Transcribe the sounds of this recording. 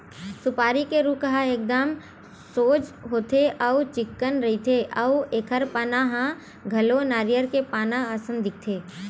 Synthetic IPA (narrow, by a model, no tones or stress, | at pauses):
sʊpaːɾikeɾuːkəɦaeːk̚d̪əm | soːd͡ʒɦoːt̪ʰeʔɐʊt͡ʃɪkːənɾɐɦit̪ʰeʔɐʊeːkʰəɾpaːnãɦã | ɡʱɐlonaːɾijəɾkepaːnãsə̃nd̪ɪk̚t̪ʰeː